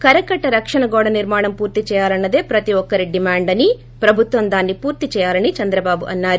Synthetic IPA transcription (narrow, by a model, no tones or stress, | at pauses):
kɐɾɐkɐʈːɐɾɐkʂɐɳɐɡɔːɽɐniɾmaːɳɐmpuːɾt̪it͡ʃɛːjaːlɐnːɐd̪e̞ːpɾɐt̪iɔkːɐɾiɖimaːɳɖɐni | pɾɐbʱut̪ʋɐmd̪aːnːipuːɾt̪it͡ʃɛːjaːlɐnit͡ʃɐnd̪ɾɐbaːbuʔɐnːaːɾu